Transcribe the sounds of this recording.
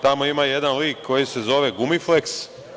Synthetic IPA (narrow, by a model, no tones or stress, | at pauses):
t̪amo̞imaje̞d̪anliːkːo̞jise̞zo̞ʋe̞ɡumifleks